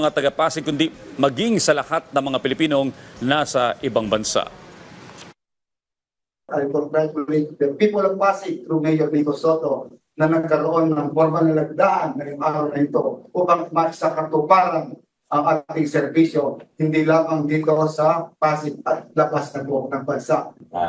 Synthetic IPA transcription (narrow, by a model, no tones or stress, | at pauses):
ɐŋat̪ɐɡɐpasɪkːʊnd̪imɐɡiŋsɐlɐhat̪̚nɐŋmɐŋapɪlɪpiːno̞ŋnasɐʔɪbaŋbɐnsa̰ʔ | ɐɾɪpoɾt̪ɾaplɾɪpɛpipʊlɐŋpaːsɪk̚t̪ɾʊmɛjonɪk̪osot̪o̞ | nɐnɐɡ̚kɐɾoʔo̞nːɐŋpoɾmɐnɐlɐɡ̚d̪aʔɐnːɐjʊŋʔaːɾɐwnɐɪt̪oʔupɐŋmɐɡsɐkɐt̪ʊpaɾan | ʔɐŋʔaːt̪ɪŋsɛɾbisjo̞hɪnd̪ilaːmɐŋɡ̪ɪkɐosɐpaːsɪk̚ɐt̪̚lɐbasnɐt̪onɐŋbɐnsaʔ